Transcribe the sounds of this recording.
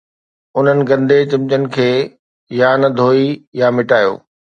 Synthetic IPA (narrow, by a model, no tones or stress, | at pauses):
ʊn̤ənɪ̆ɡɐ̃nd̪ʱet͡ɕɪ̃mt͡ɕənɪ̆kʰeː | jaːnd̪ʱoːijamɪʈaːjo̰ː